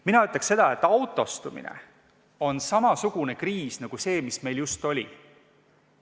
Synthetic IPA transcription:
minɑyt̪ːˑɑkse̞d̪̥ɑe̞t̪ːˑɑwt̪ːˑo̞st̪umḭnḛ | o̞nsɑmɑsuɡ̥une̞kriːsnɑɡ̥use̞ːmisme̞jljust̪o̞lʲi

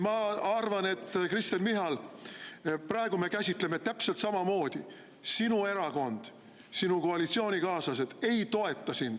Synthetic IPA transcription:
mɑɑrvɑne̞t̪ːkrist̪enmiɦɑl | prɑeɡ̥ume̞kæsʲit̪ˑle̞me̞t̪æpselt̪sɑmɑmo̞ːd̪̥i | sinue̞ɾɑko̞nd̪̥ | sinuko̞ɑlit̪sio̞ːnʲikɑːsɑsed̪e̞jt̪o̞e̞t̪ˑːɑsind̪̥

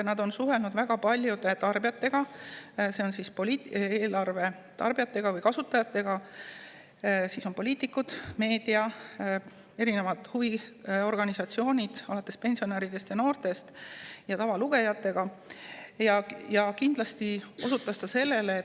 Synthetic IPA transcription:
nɑd̪̥o̞nsuɦe̞lnud̪væɡ̥ɑpɑlʲjud̪et̪ɑrbijɑt̪ːˑe̞ɡ̥ɑse̞o̞nsispolʲit̪eːlɑrve̞ | t̪ɑ̰rb̥ijɑt̪ːe̞ɡ̥ɑvɯjkɑsut̪ːˑɑjɑt̪ːˑe̞ɡ̥ɑ | siso̞npo̞liːt̪ˑikːˑud̪̥me̞ːd̪̥iɑ | e̞ɾine̞vɑd̪̥huvio̞rɡ̥ɑnisɑt̪sio̞ːnʲid̪̥ɑlɑt̪ːˑe̞spe̞nʲsio̞neɾid̪̥e̞st̪jɑno̞ːrt̪e̞st̪jɑt̪ɑvɑluɡ̥e̞jɑt̪ːˑe̞ɡ̥ɑ | jɑjɑkind̪̥lɑst̪io̞sut̪ːˑɑst̪ɑse̞lːe̞le

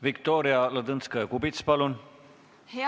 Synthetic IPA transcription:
vikt̪oɾiɑlɑd̪ɨnskɑjɑkubit̪spɑlun

